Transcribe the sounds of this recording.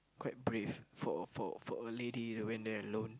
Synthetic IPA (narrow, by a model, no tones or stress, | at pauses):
kwaɪt̚bɹiffɔfɔ̰fɔ̰əledituwɛ̃ndɛəlõn